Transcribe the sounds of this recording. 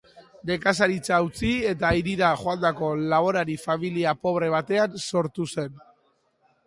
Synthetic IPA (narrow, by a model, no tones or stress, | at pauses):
d̪e̞kas̬aɾit͡saut͡sie̞t̪aiɾiɾaʝo̞and̪ako̞laβo̞ɾaɾifamiliapo̞βɾe̞β̞at̪e̞anso̞ɾt̪use̞n